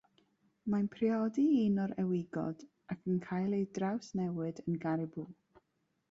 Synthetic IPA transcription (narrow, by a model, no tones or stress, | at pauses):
manpʰriɔdiiːnɔɾɛwɪɡɔ̰d̥ | akʰənkʰaːjlˠejdrawsnɛwɨdənɡaɾɪbulˠ